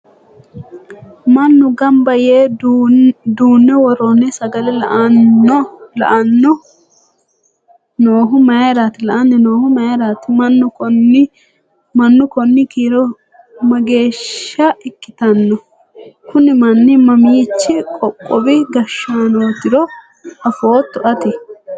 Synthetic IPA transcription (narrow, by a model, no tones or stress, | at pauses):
mɐnːʊɡɐmbɐjeː | d̪uːnːɛwɔɾoːnɛsɐɡɐlɛlɐʔɐnːɔlɐʔɐnːɔ | noːɦʊmɐjɾat̪ɪlɐʔɐnːɛnoːhʊmɐɾat̪ɪmɐnːʊ | mɐnːʊkɔnːɪkiːɾɔ | mɐɡe̞ːʃːɐɪkːɪ̥t̪ɐnːɔ | kʊnɪmɐnːɪmɐmiːt͡ʃːɪkʼɔkʼːɔbɪɡɐʃːaːnoːt̪ːɪɾɔ | hɐfoːt̪ːʊʔɐt̪ɪ